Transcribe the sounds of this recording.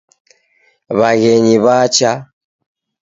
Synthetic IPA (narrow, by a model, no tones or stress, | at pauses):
βaɣɛɲiβat͡ʃa